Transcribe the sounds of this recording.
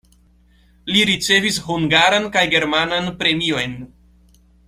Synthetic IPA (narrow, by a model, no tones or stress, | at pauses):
liɾit͡se̞visɦuŋɡaɾankajɡe̞ɾmananpɾe̞mio̞jn